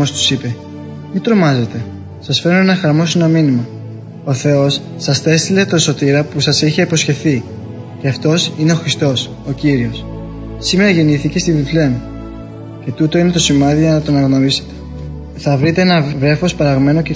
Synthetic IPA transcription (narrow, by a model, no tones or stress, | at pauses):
ost̪u̥sipe̞ | mit̪ɾo̞mɐze̞t̪e̞ | sɐsfe̞ɾnoenɐxɐɾmo̞sinɐminimɐ | o̞θe̞o̞sːɐsθe̞st̪ile̞t̪o̞so̞t̪iɾɐpusɐsiçeipo̞sçe̞θi | ce̞ɐft̪o̞sine̞o̞xɾist̪o̞s | o̞ciɾio̞s | sime̞ɾɐʝe̞niθice̞st̪ivifleni | ce̞t̪ut̪o̞ine̞t̪o̞simɐðiʝɐnɐt̪oɐnɐɣno̞ɾise̞̥t̪e̥ | θɐvɾit̪e̞e̞nɐvɾe̞fo̞spɐɾɐɣme̞no̞ce